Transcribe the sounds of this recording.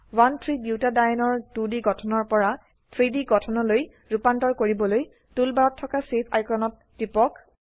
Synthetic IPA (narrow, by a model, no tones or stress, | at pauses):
wantʰɹibjuwtadajɔnɔɹdudiɡɔtʰɔnɔɹpɔɹa | tʰɹidiɡɔtʰɔnɔloj | ɹupantɔɹkoɹibɔloj | tulbaɹɔtʰːɔkasepʰa̰jkɹɔnɔtːipɔk